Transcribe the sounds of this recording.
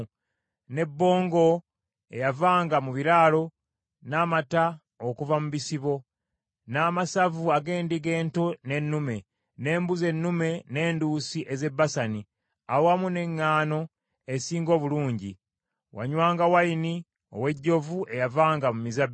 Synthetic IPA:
ne̞bːo̞ːŋɡo̞ | ejavaːŋɡamuβiɾaːlo̞ | naːmata | okuvamuβisiβo̞ | naːmasavuaɡe̞ːndiɡe̞ːntone̞nːume̞ | ne̞ːmbuze̞nːume̞ne̞ːnduːsiʔe̞ze̞bːasani | awowamune̞ŋːaːno̞ | esiːŋɡo̞ːβuluːɲɟi | wa̰ɲwaːŋɡawaini | o̞̰we̞ɟːo̞vuʔe̞javaːŋɡamumizab

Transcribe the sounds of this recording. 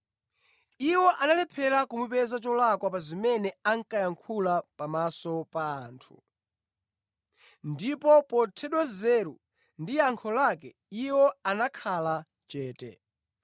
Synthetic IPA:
iwɔʔanalɛpʰɛɾakumupɛzat͡ʃɔlakwapazimɛnɛaŋkajaŋkʰulapamasɔpaːntʰṵ | ndipɔpɔtʰɛɗwazɛɾu | ndiaŋkʰɔlak̬ɛ | iwɔanakʰala | t͡ʃɛːtɛ̰

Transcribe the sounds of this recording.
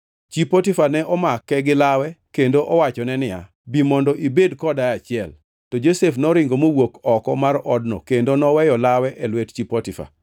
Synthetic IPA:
t͡ʃipotifanɛʔɔmakːɛɡɪlawɛkendoʔɔwat͡ʃɔnɛnɪja̰ | bimɔndɔʔibedkɔdaat͡ʃɪɛl | tɔd͡ʒosefnɔɾɪŋɡomowokɔkɔmarɔdnɔ̰kendonɔwɛjɔlawɛʔɛlwett͡ʃipɔtifa̰

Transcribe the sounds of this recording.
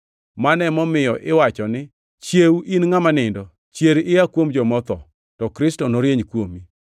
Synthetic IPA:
manɛmɔmɪjɔʔɪwat͡ʃɔnɪ | t͡ʃjewuʔinŋamanɪndɔ | t͡ʃjeɾɪakwomd͡ʒɔmɔt̪ɔ | tɔkɾɪstɔnoɾjeɲkwomi

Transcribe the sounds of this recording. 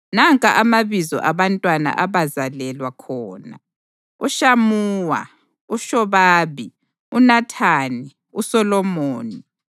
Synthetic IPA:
naŋkʼaʔamaβizɔ̰ʔaβantʼwana̰ʔaβazalɛlwakʰɔːna̰ | uʃamuːwa̰ | uʃɔβaːβi | unatʰaːni | usɔlɔmoːni

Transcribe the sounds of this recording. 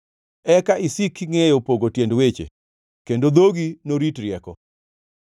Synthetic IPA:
ɛkaʔisikŋejopoɡotjendwet͡ʃḛ | kendod̪oɡinoɾitɾjɛkɔ

